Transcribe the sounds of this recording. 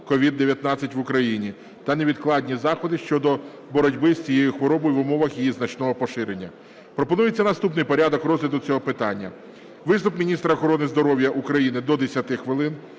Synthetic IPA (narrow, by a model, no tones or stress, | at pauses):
kɔʋʲid̪ːeʋjɐt̪nɑt͡sʲːɐtʲʋʊkɾɐjinʲi | t̪ɐneʋʲid̪klˠɑdʲnʲizɑxɔd̪ɪʃt͡ʃɔd̪ɔ | bɔɾɔdʲbɪsʲt͡sʲijejʊxʋɔɾɔbɔjʋʊmɔʋɐxjijiznɐt͡ʃnɔɦɔpɔʃɪɾenʲːɐ | pɾɔpɔnujet͡sʲːɐnɐst̪upnɪjpɔɾʲad̪ɔkɾɔzlʲid̪ʊt͡sʲɔɦɔpɪt̪ɑnʲːɐ | ʋɪst̪ʊpmʲinʲist̪ɾɐːxɔɾɔnɪzd̪ɔɾɔwʲjɐʔukɾɐjinɪd̪ɔd̪esʲɐt̪ɪxʋɪlˠɪn